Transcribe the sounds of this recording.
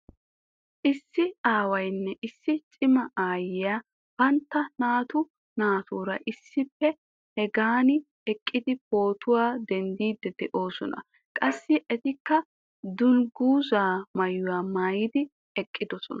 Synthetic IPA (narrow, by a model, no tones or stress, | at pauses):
ʔɪsːɪaːwɐjnːɛʔɪsːɪt͡ʃʼɪmɐaːjɪjaː | b̥ɐnt̪ːɐnaːt̪ʊ | naːt̪uːɾɐʔɪsːɪpːɛ | hɛɡaːnɪ | ɛkʼːɪd̪ɪpo̞ːt̪ʊwaːd̪ɛnd̪iːd̪ːɛd̪ɛʔo̞ːsɔnɐ̰ | kʼɐsːɪʔɛt̪ɪkːɐ | d̪ʊlɡuːzaːmɐjʊwaːmaːjɪd̪ɪ | ɛkʼːɪd̪ɔsɔnɐ